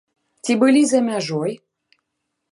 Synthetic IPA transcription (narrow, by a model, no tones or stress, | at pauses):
t̪ʲibɨlʲizamʲæʒoj